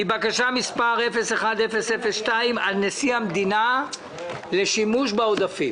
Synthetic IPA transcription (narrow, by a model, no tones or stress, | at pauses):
ibakaʃamispaʁefe̞seχad̪efesefesʃtaimalnesiamd̪ina | le̞ʃimuʃbaod̪afim